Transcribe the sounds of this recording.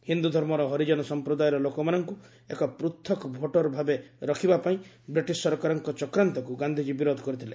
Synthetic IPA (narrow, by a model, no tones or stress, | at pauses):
hind̪ud̪ʱɔɾmɔɾɔɦɔɾid͡ʒɔnɔsɔmpɾɔd̪ajɔɾɔlokɔmanɔŋku | ekɔpɾut̪ʰːɔkɔbʱoʈɔɾbʱabeɾɔkʰibapaĩ | bɾiʈisɔɾɔkaɾɔŋkɔt͡ʃɔkɾant̪ɔkuɡand̪ʱid͡ʒibiɾod̪ʱɔ̥kɔɾit̪ʰile